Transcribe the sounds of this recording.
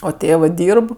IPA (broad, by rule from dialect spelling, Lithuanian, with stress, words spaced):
oː ˈtʲeːʋɜ ˈdʲiːrp